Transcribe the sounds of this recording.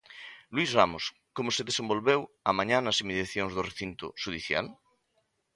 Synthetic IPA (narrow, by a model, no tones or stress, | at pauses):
lwizramos | komoseðesẽmbolβew | amãɲãnasimeðjaθjoŋzðoreθint̪ʊ̰ʃuðiθja̰l